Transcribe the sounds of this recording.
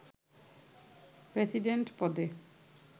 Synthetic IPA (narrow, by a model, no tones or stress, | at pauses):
pɾesiɖeɳʈpɔd̪e